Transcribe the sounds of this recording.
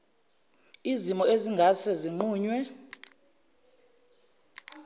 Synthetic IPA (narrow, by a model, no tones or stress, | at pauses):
izimɔeziŋɡʱasɛziŋ͡ǃuːɲwɛ